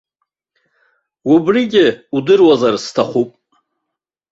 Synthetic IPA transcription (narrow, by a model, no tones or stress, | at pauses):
ubriɡʲɪudɨrwazarstʰaχʷupʼ